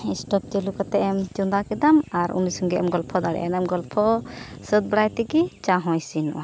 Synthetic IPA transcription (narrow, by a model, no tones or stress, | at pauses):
isʈɔp̚t͡ʃelukat̪ɛʔɛmt͡ʃɔnd̪akid̪amaɾṵnisɔŋɡɛʔɛmɡɔlpʰɔd̪aɽɛ̰ʔɛnɛmɡɔlpʰɔ | səd̪̚bɽajt̪ɛɡit͡ʃaɦɔ̃jsinɔ̰ʔa